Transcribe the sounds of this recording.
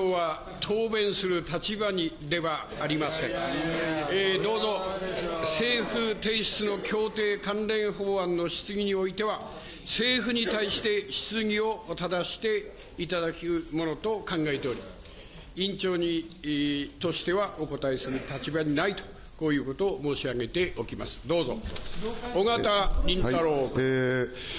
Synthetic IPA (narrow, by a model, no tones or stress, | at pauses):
oβa | t̪ʰoːbẽ̞ɰ̃sɨɾɯ̟t̪at͡ɕibaɲid̪e̞βaː | ɾʲimasẽ̞ɴ | d̪o̞ːzo̞ | se̞ːɸɯ̟t̪e̞ːɕi̥t͡sɨno̞kʲo̞ːt̪e̞ːkãnɾẽ̞ɰ̃hoːãnːo̞ɕi̥t͡sɨɡʲiɲ̟io̞it̪e̞βa | se̞ːɸɯ̟ɲ̟it̪aiɕi̥t̪e̞ɕi̥t͡sɨɡʲio̞t̪ad̪aɕi̥t̪e̞ | it̪ad̪akʲɯmo̞no̞t̪o̞kãŋɡae̞t̪e̞o̞ɾʲi | ĩɲt͡ɕo̞ːɲ̟i | t̪o̞ɕi̥t̪e̞βaʔo̞ko̞t̪aisɨɾɯ̟t̪at͡ɕibaɲ̟inait̪o̞̥ | ko̞ːjɯ̟ːko̞t̪o̞ːmo̞ːɕiaɡe̞t̪e̞ʔo̞kʲima̰sɨ̥d̪o̞ːzo̞̰ | oɡat̪aɾʲĩnt̪aɾoː